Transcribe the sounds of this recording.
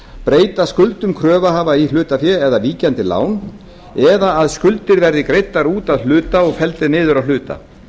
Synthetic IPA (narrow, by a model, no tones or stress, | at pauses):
pɾeːjt̪askʏlt̪ʏmkʰɾœːvaɦaːvail̥ʏːt̪afjɛɛðaviːcɛnt̪ɪla̰ːwn | ɛðaːðskʏlt̪ɪɾvɛɾðɪkɾejt̪ːaɾuːt̪aðl̥ʏːt̪aɔɣfɛlt̪ɪnɪːðʏɾawl̥ʏːt̪a̰